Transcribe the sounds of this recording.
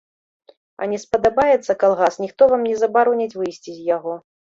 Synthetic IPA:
ɐ̰nʲɛspɐd̪abajɛt̪sːɐkalˠɣasnʲixt̪ɔvamnʲɛzɐbaɾɔnʲɐt͡sʲvɨjsʲt͡sʲizʲjaɣɔ

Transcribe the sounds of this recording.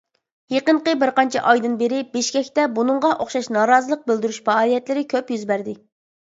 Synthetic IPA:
jeqəɴqəbɪɾqɑnt͡ʃʰɛ̰ʔɑjd̪ɨnbeɾɪbeʃkʲɛkʲt̪ɛbunɨɴʁɑʔoχʃɑʃnɑːɾɑːzɨlˠəq̚bɪld̪yɾyʃfɑɑːlˠijɛt̪lɪɾɪkʲʰøpjyzbæɾd̪ɪ

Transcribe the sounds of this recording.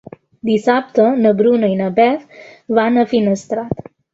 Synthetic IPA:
d̪isap̚t̪ənəbɾunəjnəbɛtʋanəfinəst̪ɾat̪

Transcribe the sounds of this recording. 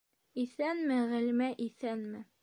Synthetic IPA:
iθænmɘʁɘ̆lmæʔiθænmɘ

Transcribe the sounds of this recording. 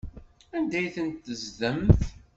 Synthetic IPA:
ænd̪æjθənt̪ːəzðəmθ

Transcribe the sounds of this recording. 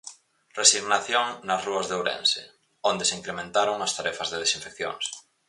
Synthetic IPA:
resiɣnaθjoŋnazruazðewɾḛ̃nsḛ | ond̪eseiŋkɾemẽnt̪aɾoŋast̪aɾɛfazðeð̞esĩɱfekθjo̰ŋs

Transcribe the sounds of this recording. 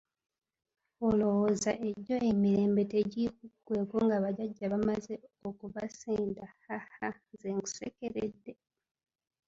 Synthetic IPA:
olo̞wozaʔe̞ɟo̞emiɾe̞ːmbe̞teɟikuɡwe̞ːkoŋɡaβaɟaɟːaβamazeokuβaseːndahaha | zeŋɡu̥sḛkeɾḛdːe̞

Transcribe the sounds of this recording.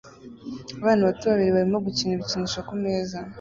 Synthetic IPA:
aβaːnaβatuβaβiɾiβaɾimo̞ɡuciniβiciniʃokumeːza

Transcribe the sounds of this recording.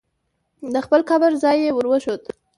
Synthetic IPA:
d̪əxpəlkabəɾzɑjːewəɾwəʃot̪

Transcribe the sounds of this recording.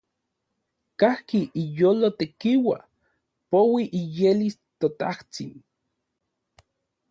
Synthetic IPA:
kahkiʔijoːlot̪ekiwa | powiʔijelis | t̪ot̪aht͡sin

